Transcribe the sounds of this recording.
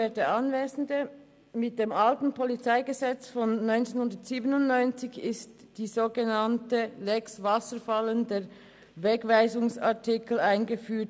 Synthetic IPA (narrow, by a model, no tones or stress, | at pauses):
eːtdəɑnveːzn̩də | mɪt̚d̥eːmʔaltn̩pʰɔlit͡saɪɡəzɛt͡sfɔnːɔʏnt͡senhʊndətsiːbənʊntnɔʏnt͡sɪçɪst | d̥iːzoːɡənɑntəlɛksvasəɾfaləndeːʁ | vɛkvaɪzʊŋsaɐtʰɪkl̩aɪnɡəfyːɐt